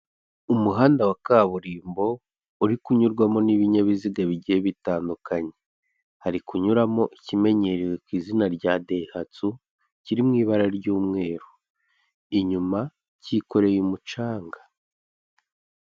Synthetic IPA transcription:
umuɦaːndawakaːβuɾiːmbo̞ | uɾikuɲuɾɡwamo̞niβiɲaβiziɡaβiɟiheβitaːndukaɲe̞ | haɾikuɲuɾamo̞ʔicime̞ɲe̞ɾiwe̞kwiːzinaɾɟade̞hat͡su | ciɾimŋiːβaɾaɾɟuːmŋe̞ːɾu | iɲuma | ciko̞ɾe̞jumut͡ʃaːŋɡḁ

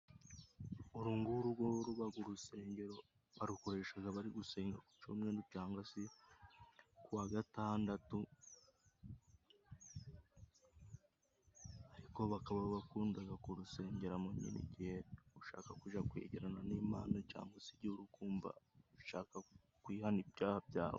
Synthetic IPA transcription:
oɾuːŋɡuɾuɡoɾuβaɡuɾuse̞ːɲɟe̞ɾo̞ | βaɾuko̞ɾe̞ːʃaɡaβaɾiɡuse̞ːŋɡaku̥t͡ʃumwenducaːŋɡasi | kuwaːɡataːndatu | aɾiko̞βakaβaββakuːndaɡakuɾuse̞ːɲɟeɾamoɲḭnḭɟihe̞uʃa̰ːkakuʒakwḛːɟiɾananiːmaːnoca̰ːŋɡasiɾɟuɾukuːmba̰uʃaːka | kwiːhanibjaːhabja̰ːho̰

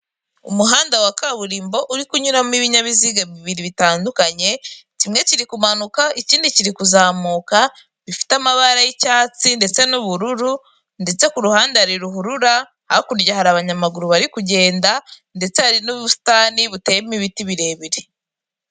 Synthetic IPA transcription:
ṵmuɦaːndawakaβuɾiːmbo̞ʔuɾikuɲuɾamiβiɲaβiziɡaβiβiɾiβitaːndukaɲe̞cimŋe̞ciɾikumanukaʔiciːndiciɾikuzaːmuːka | βifi̥tamaβaɾajicaːt͡sinde̞t͡se̞nuβuɾuɾu | nde̞t͡se̞kuɾuhaːndeaɾiɾuɦuɾuɾa | hakuɾɟahaɾaβaɲamaɡuɾuβaɾikuɟe̞ːndande̞t͡sehaɾinuβusi̥taːniβutejemiβitiβiɾe̞βiɾe

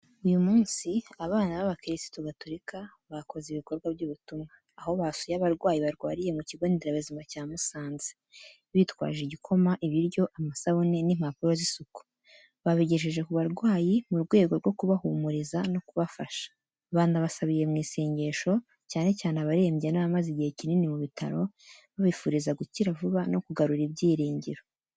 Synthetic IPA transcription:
ujumuːnsiaβaːnaβaβakiɾisi̥toɡatuɾikaβako̞zeiβiko̞ɾɡwabɟuβutumŋaːho̞βasujaβaɾɡwaːjiβaɾɡwaːɾije̞muciβonieɾaβezimacaːmusaːnze̥ | βitwa̰ːʒiɟikʰo̞maʔiβiɾɟo̞ʔamasaβone̞nimapuɾo̞zisuku̥ | βaβiɟeʃ̬eʒe̞kuβaɾɡwaːjimuɾɡwe̞ːɡo̞ɾɡo̞kuβahumuɾizano̞kuβafaʃḁ | βaːndaβasaβije̞mŋiːseːɲɟe̞ʃo̞ | caːne̞caːnaβaɾe̞ːmɟenaβamaziɟihe̞cininimuβitʰa̰ɾo̞ | βaβifuːɾizaɡuciɾavuβano̞kuɡaɾuɾibɟiːɾiːɲɟiɾo̞

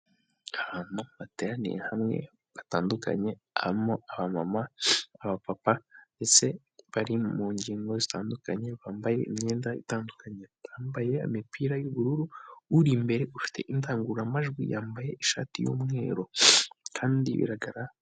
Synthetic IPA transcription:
aβaːn̥uβate̞ɾanḭjḛhamŋe̞̰ | βataːnduka̰ɲe̞ | a̰imoaβamamaːβapapanese | βaɾimuːɲɟiːŋɡo̞zitaːndukaɲe̞βaːmbaje̞̰ʔḭmɲeːndaitaːndukaɲeaːmbaje̞a̰mipiːɾajuβuɾuɾuːɾimbe̞ɾe̞ʔufi̥tʰe̞̰ʔintaːŋɡuɾamaʒɡwijaːmbaje̞ʔiʃa̰ːtijṵːmŋe̞̰ːɾo̞kʰaːndḭβḭɾaɡaɾa

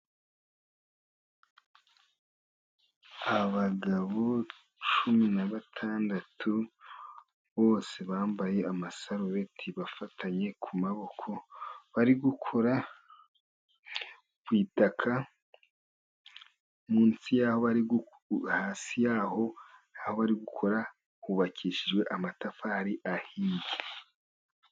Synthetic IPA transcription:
aβaɡaβo | t͡ʃuminaβatʰaːndatʰu | βo̞ːse̞βaːmbaje̞amasaɾoβe̞tʰiβafatʰaɲe̞kʰumaβo̞kʰo̞βaɾiɡukʰo̞ɾa | βwiːtakʰa | muːnsijaho̞βaɾiɡu | haːsijaːho̞naho̞βaɾiɡukʰo̞ɾa | huβakʰiʃiʒɡwe̞ʔamatafahaɾiʔahiːndi

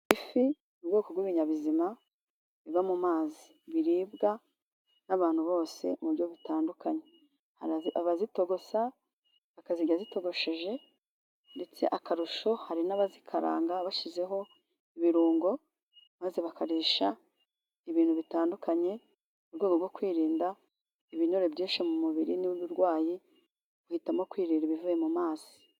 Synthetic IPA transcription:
ifi | nubɡoːkoɡwiβiɲaβizima | βiβamumaːzi | βiɾiːbɡa | naβaːn̥huβo̞ːse̞̰muɾjo̞βitaːndukʰaɲe̞ | haaβazito̞ɡo̞sa | βakaziɟazito̞ɡo̞ʃe̞ʒe̞ | nde̞t͡se̞̰ʔakaɾuʃo̞haɾinaβazikʰaɾa̰ːŋɡaβaʃize̞ɦo̞ | iβiɾuːŋɡo̞ | maːzeβakaɾiːʃa | iβiːnhuβitaːndukʰaɲe̞ | uɾɡweːɡobɡwo̞kwiːɾiːnda | iβiɲoɾe̞bɟiːnʃimumuβiɾiniβuβuɾɡwaːji | ɡuhitamokwiːɾiːnɾiβivuje̞mumaːz̥i̥

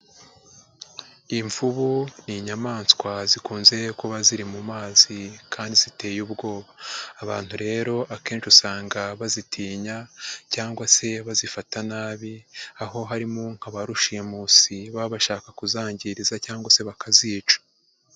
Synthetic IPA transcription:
iɱvuβuniɲamaːnskwazikuːnze̞koβaziɾimumaːzikʰaːndizite̞ːjuːβɡo̞ːβaːβa̰ːn̥huɾe̞ːɾo̞ʔake̞ːnʃusaːŋɡaβazitʰiːɲacaːŋɡwase̞βazifatanaːβiaɦo̞ɦaɾimuŋ̥haβaɾuʃijemusiβaβaʃaːkakuzaːɲɟiɾizacaːŋɡwase̞βakaziːt͡ʃḁ

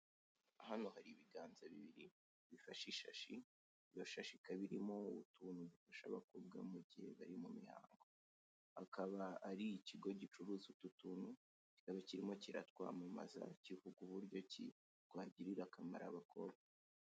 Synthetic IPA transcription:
ahano̞haɾiβiɡaːnzaβḭβiɾi | βifaʃiʃaʃi | jo̞ʃaʃikaβiɾimo̞uβutuːnudufaʃa̰βakob̚ɡa̰muɟihe̞̰βaɾimumḭha̰ːŋɡo̞ | akʰaβaːɾiciɡo̞ɟit͡ʃuɾuzututuːnu | ci̥kaβaciɾimo̞ciɾa̰tkwa̰ːmuma̰za̰civuɡuβuɾɟo̞cḭ | twaːɟiɾiɾakama̰ɾa̰βakʰo̞̰ːbɡa

